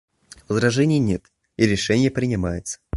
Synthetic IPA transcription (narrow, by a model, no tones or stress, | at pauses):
vəzɾɐʐɛnʲɪjənʲet̪ | iɾʲɪʂɛnʲɪjəpɾʲɪnʲɪmajɪt̪sə̥